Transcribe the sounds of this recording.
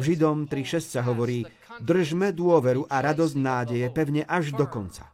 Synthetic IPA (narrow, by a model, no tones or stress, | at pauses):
ʒid̪ɔmt̪ɾiʃɛstsaɦɔʋɔɾiː | d̪r̩ʒmɛd̪ʊɔʋɛɾuʔaɾad̪ɔzɟnaːɟɛjɛpɛʊɲɛʔaʒd̪ɔkɔnt͡sḁ̰